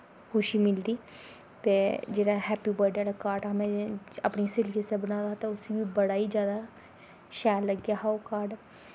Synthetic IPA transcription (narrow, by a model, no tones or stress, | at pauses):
hoːʃiːmɪld̪iː | t̪eːd͡ʒeːɽãːɦɛːpiːbəɾɖəːlakaːɾʈamɛ̃ːə̰pɳiːsɪlkɪsẽbənaːd̪aːt̪eːʊsiːʋiːbəɽaːiːd͡ʒjaːd̪aː | ʃɛːlːəɡjaːɦaːokaːɾɖ